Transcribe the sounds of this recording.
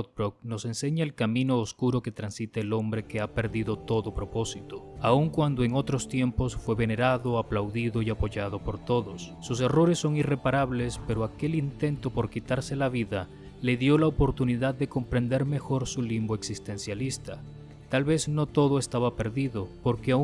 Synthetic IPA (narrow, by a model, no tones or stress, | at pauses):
t̪̚bɾok̚no̞se̞nse̞ɲaelkamĩno̞ːskuɾo̞ke̞t̪ɾansit̪eːlo̞mbɾe̞ke̞ape̞ɾðiðo̞t̪o̞ðo̞pɾo̞po̞sit̪oauŋkwand̪oe̞ŋot̪ɾo̞st̪je̞mpo̞sfweβe̞ne̞ɾaðo̞aplawðiðo̞iapo̞ʝaðo̞po̞ɾt̪o̞ðo̞sːus̬e̞ro̞ɾe̞sːo̞ŋire̞paɾaβle̞spe̞ɾoake̞lint̪e̞nt̪o̞po̞ɾkit̪aɾse̞laβiða | le̞ðjo̞laopo̞ɾt̪uniðaðːe̞ko̞mpɾe̞nd̪e̞ɾme̞xo̞ɾsulimboeksist̪e̞nsjalist̪a | t̪alβe̞zno̞t̪o̞ðoe̞st̪aβape̞ɾðiðopo̞ɾkea